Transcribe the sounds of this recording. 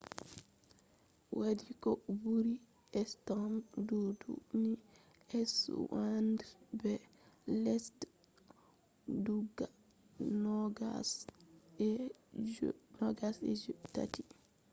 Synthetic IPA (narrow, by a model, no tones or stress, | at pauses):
wadikɔbuɾi | ɛstɔmdudṵni | ɛswandɛbɛ | lɛst | duɡa | nɔɡas | ɛ | nɔɡasɛ̰d͡ʒta̰ti